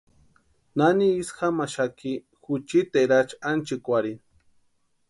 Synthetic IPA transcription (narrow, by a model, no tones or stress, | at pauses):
naniisxamaʃaki | xut͡ʃit̪eɾat͡ʃant͡ʃikʷaɾi